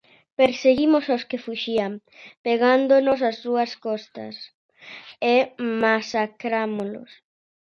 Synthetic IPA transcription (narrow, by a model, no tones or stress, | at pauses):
peɾseɣimososkefuʃiam | peɣand̪onosazðuɐskɔst̪ɐ̰s | emasakɾamolʊ̰s